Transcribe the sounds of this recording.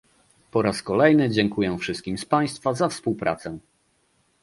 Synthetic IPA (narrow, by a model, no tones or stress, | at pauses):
pɔɾaskɔlɛjnɘd͡ʑɛŋkujɛfʂɘst̪kʲimspaj̃st̪fazafspuwpɾa̰t̪sɛ